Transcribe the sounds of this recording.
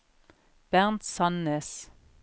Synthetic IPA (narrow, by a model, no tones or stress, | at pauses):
b̥æʁnt̪sɑnːes